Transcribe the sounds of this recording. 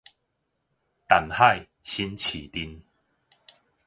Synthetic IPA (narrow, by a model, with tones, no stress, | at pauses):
t̪a˨˩nha˥˧˨j | ɕi˦nt͡ɕʰi˨˩t̪i˧n